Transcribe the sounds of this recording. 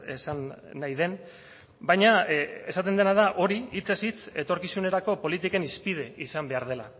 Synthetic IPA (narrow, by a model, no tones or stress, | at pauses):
esanːajðe̞n | bajɲae̞sat̪e̞nd̪enað̞aʔo̞ɾiit͡sesit͡se̞t̪o̞ɾkisune̞ɾako̞po̞lit̪ike̞nispið̞e̞isambe̞aɾð̞e̞la̰